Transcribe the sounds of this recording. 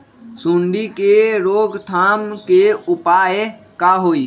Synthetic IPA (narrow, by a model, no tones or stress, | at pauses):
sũɳɖikeɾoːɡt̪ʰaːmkeʊpaːe | kaɦoːi